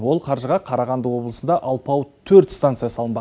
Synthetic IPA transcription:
wo̞lˠqʰɑɾʒəʁɑqʰɑɾɑʁɑnd̪əwo̞blˠəsənd̪ɑʔɑlˠpɑwt̪ʰɵɾt̪st̪ant̪sɨjasɑlˠənbɑ

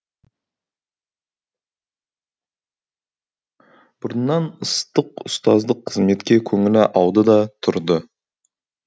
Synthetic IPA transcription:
b̥ʊɾənːɑnʊst̪əqʊst̪ɑzd̪əqʰːəzme̞t̪kʲe̞kʲʰɵŋɪlɪʔɑwd̪əd̪ɑt̪ʰʊɾd̪ə

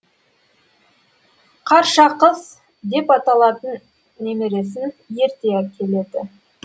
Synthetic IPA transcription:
qʰɑɾʃɑqəz | d̪e̞pɑt̪ɑlˠɑt̪ənː | emeɾe̞sɪnje̞ɾt̪e̞ækʲʰe̞le̞d̪ɪ

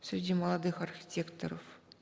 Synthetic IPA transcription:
sʲɾʲɪdʲiməlˠɑd̪ɨxɐrxʲi̥tʲekt̪oɾof

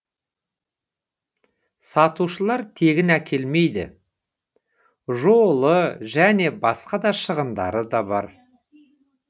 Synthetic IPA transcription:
sɑt̪uʃəlˠɑɾt̪ʰe̞ɡʲɪnækʲʰe̞lme̞jd̪ɪ̰ | ʒolˠəʒæne̞bɑsqɑd̪ɑʃəʁənd̪ɑ̰ɾəd̪ɑbɑ̰ɾ

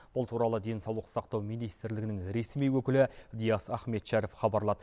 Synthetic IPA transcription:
b̥ʊlˠt̪ʰuɾɑlˠəd̪e̞nsɑwlˠəqsɑqt̪ɑwmijnijst̪ɪɾlɪɡʲɪnɪŋɾe̞smijwɵkʲɪlɪd̪ijɑsɑχme̞t̪ʃæɾɪfχɑbɑɾlˠɑd̪̥ə

